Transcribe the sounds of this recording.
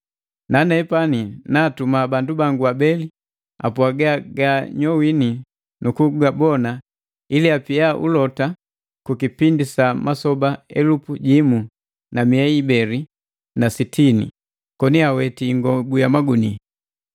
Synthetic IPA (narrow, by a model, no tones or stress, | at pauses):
nanɛːpaninaːtumabandubaŋɡuabɛli | a̰pwaɡaɡaɲɔwini | nukuɡabɔna | iliapiaʔṵlɔta | kukipindisamasɔbaɛlupuɟimu | namiɛibɛli | nasitʰinḭ | kɔniawɛtiŋɡɔbujamaɡuni